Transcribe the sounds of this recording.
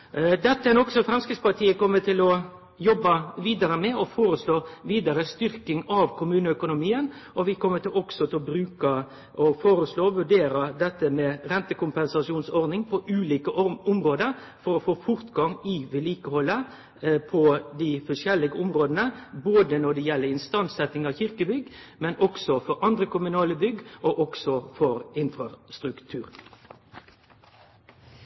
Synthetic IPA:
d̪ɛt̪ːəænɔksɔfɾɑmskɾɪspɑt̪ʰiːəkɔmːət̪ʰɪlɔ | jɔbːəʋiːd̪ɑɾəmɛɔfoːɾəsloːʋiːd̪ɑɾəst̪ʏɾkɪŋɑʋkʰʊmʉːnəœkʊnʊmiːən | ʔɔʋɪkʰɔmːət̪ɪlɔɡ̥sɔt̪ʰɪlɔbɾʉːkə | ʔɔfoːɾəsloːɔʋʉɖeːɾəd̪ɛt̪ːəmɛɾɛnt̪əkʊmpɛnsɑʂuːnsɔɾd̪nɪŋpʰɔʔʉːliːkəʊmɾoːd̪əɾ | fɔɾɔfoːfʊɾt̪ɡɑŋɪʋɛliːkəhɔlːə | pʰɔd̪ɪfɔʂɛlːɪɡəʊmɾoːd̪ənəboːd̪ənɔd̪ɛjɛlːəɾɪnst̪ɑnsɛt̪ːɪŋɑçɪʁkəbʏɡːmɛnʔɔksɔfɔɾɑnd̪ʁəkʊmʉnɑːləbʏɡʔoʔɔksɔfɔɾɪnfɾɑst̪ɾʉkt̪ʰʉːɾ

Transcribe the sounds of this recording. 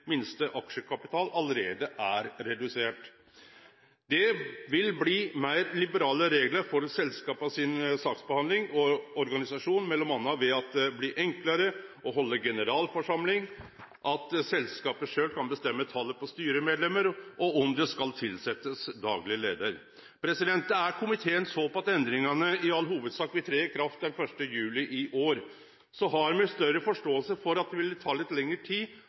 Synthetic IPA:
mɪnst̪əʔɑkʂəkʰɑpɪt̪ʰɑːlɑləɾeːd̪əʔæɾɾɛd̪ʉseːʈ | d̪ɛʋɪlbliːmæɪɾlɪbəɾɑːləɾeːɡləɾfɔɾsɛlskɑːpɑʋsɪnsɑːksbəhɑnd̪lɪŋɔɔɾɡɑnɪsɑʂuːnmɛlːɔmɑnːɑʋɛɑt̪̚d̪ɛbliːʔɛŋkləɾəʔɔɦɔlːəɡɛnəɾɑːlfɔʂɑmlɪŋ | ʔɑt̪sɛlskɑːpəʂøːlkʰɑnbəst̪ɛmːət̪ʰɑlːəpɔst̪yːɾəmeːd̪lɛmːəɾʔɔɔmd̪ɛskɑlt̪ʰɪlsɛt̪ːəsd̪ɑ̰ːɡlɪəlḛːd̪əɾ | pʰɾɛsɪd̪ɛnt̪əæɾkʰʊmɪt̪ʰeːənsoːpɔɑt̪ɛnd̪ɾɪŋɑnəɪɑlːɦuːʋəd̪sɑːkːʋɪt̪ʰɾeːkʰɾɑft̪̚d̪ɛnfœʂʈəjʉːlɪʔɪʔoːɾ | sɔɦɑɾmɛst̪œɾəfɔʂʈoːəlsəfɔɾɑt̪̚d̪ɛʋɪlt̪ʰɑːlɪt̪lɛŋːəʈʰiː

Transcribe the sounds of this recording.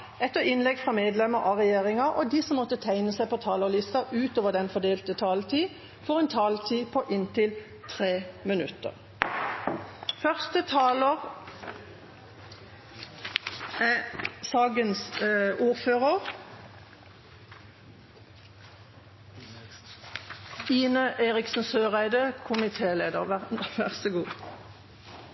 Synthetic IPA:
ɛt̪ːəɪnlɛɡfʁɑmeːd̪lɛməʁʔɑʁɛjeːʁɪŋɑʔɔd̪iːsɔmːɔt̪ːət̪ʰæɪnəsæɪpɔt̪ʰɑːlɔʁlɪst̪ɑʉːt̪oːʋəʁd̪ɛnfɔʁd̪eːlt̪ət̪ʰɑːlt̪ʰiː | fɔʁɛnt̪ʰɑːlt̪ʰiːpʰɔʔɪnt̪ɪl | t̪ʰʁeːmɪnʉt̪ə̰ʁ | fœʁst̪ət̪ʰɑːləʁ | sɑːɡənsuːʁføːʁəʁ | iːnəʔeːʁɪksn̩søːʁæɪd̪əkʰʊmɪt̪ʰeːleːd̪əʁæʋæʁsəɡuː

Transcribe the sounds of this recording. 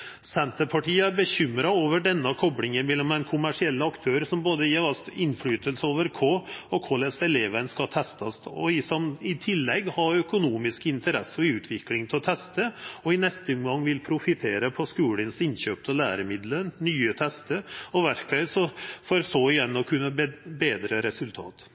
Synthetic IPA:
sɛnt̪əɾpʰɑʈiːəæɾbəçʏmɾɑoːʋəɖɛnːəkʰɔbɽɪŋənmɛlːɔmd̪ɛnkʰʊmæʂɪɛlːəɑkt̪ʰøːɾəsɔmboːd̪əjeʋɑst̪ɪnːflyːt̪əlsəoːʋəɾkʰoːɔkʰoːd̪ɛsɛleːʋənskɑt̪ʰɛst̪ɑst̪ɔ̰ɪsɔmɪt̪ʰɪlːɛɡhɑɾœkʊnuːmɪskɪnt̪əɾɛ̰sːɔʉːt̪ʰʋɪklɪŋt̪ʰɪɔt̪ʰɛst̪əɔɪnɛst̪əʊmɡɑŋːʋɪlpʰɾʊfɪt̪ʰeːɾəpʰɔskʉːlənsɪnɕøːp̚t̪ʰɔlæːɾəmɪd̪lənnyːət̪ʰɛst̪əɔʋæɾkʋɛɪsɔfoɾsoɪjɛnːɔkʰʉnːəbeːd̪ɾəɾɛsʉlt̪ʰɑ̰ːt̪

